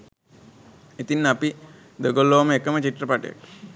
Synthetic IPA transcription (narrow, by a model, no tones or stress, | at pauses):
et̪inːapi | d̪əɡolːoːməekəmət͡ʃiʈːrəpaʈja̰k